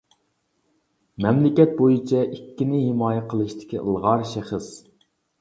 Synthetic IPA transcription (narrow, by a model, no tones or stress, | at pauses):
mɛmlɪkʲɛt̪̚bojit͡ʃʰɛʔikʲːinɪhɪmɑːjɛqʰəlˠɨʃt̪ʰɪ̥kʲiʔə̰lˠʁɑɾʃæχəs